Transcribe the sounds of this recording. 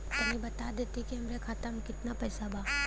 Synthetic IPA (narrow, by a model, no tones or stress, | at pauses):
k̪ɐɦĩbɐt̪ad̪eːt̪ikiɦɐmɾekʰaːt̪amkɪt̪napɛːsabʱaː